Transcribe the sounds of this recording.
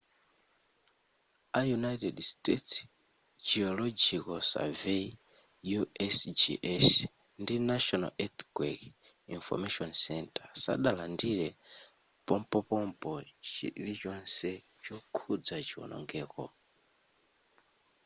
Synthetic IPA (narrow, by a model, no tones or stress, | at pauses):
ajunajtɛdstets | d͡ʒiɔlɔd͡ʒikɔsa̰ve | juɛsd͡ʒḭʔɛs | ndinaʃɔna̰lʔɛt̪ɡwɛk | infɔ̰maʃɔnsɛntḁsa̰ɗalandiɾɛ | pɔmpɔpɔmpɔt͡ʃḭlit͡ʃɔnsɛ | t͡ʃɔkʰud͡zat͡ʃiɔ̰nʔɔ̰ŋɡɛːkɔ̰